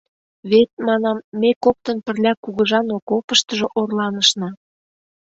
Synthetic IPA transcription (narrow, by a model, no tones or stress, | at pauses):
βet̪̚mɑnɑmːekop̚t̪ə̆npə̆rlʲækuɣɤ̆ʒɑnokopəʃt̪ə̆ʒŏʔorlɑnəʃnɑ